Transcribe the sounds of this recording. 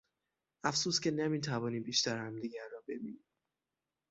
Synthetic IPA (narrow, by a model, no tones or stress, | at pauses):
ʔæfsuːscʲʰenemiːt̪ʰævɒːniːbiːʃt̪æɾhæmd̪iːɟæɾːɒːbe̞biːni̥